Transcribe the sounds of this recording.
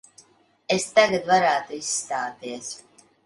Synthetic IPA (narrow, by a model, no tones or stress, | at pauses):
est̪aɡat̪vaɾæːt̪uisːt̪aːt̪iɛs